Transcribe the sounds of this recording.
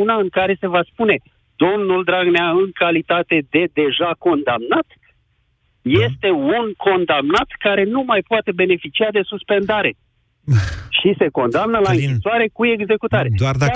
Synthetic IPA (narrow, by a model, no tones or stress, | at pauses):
unaɨŋkaɾe̞se̞vaspune̞ | d̪o̞mnuld̪ɾaɡneaɨŋkalit̪at̪e̞d̪e̞d̪e̞ʒako̞nd̪amnat̪ | je̞st̪e̞unko̞nd̪amnat̪kaɾe̞numajpoat̪e̞be̞ne̞fit͡ʃiad̪e̞suspe̞nd̪aɾe̞ | ʃise̞ko̞nd̪amnəlaɨŋʲisoaɾe̞kue̞ɡze̞kut̪aɾe